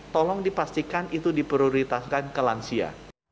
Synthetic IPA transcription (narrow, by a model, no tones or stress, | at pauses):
t̪ɔlɔŋdipast̪ikanit̪udipɾioɾit̪askankəlansia̰